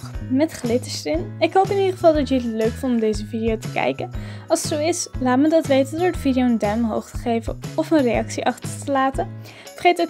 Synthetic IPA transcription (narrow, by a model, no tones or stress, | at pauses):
mɛtχlɪtəstɪnɪkɦowpɪnidəχəvɑlˠdɑtəətløɥkfɔntɔmdejzəvidiowtə̥kɛ̰jkənɑlˠsətsowɪslaːtmədɑtʋejtədoɹətfidiowəndɛmɦo̰wχtə̥χejvə̰nɔfənrejɑksiʔɑχtərtəlaːtə | fərχejtə